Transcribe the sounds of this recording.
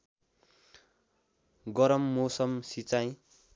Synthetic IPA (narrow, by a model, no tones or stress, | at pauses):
ɡʌɾʌmːosʌmsit͡saj̃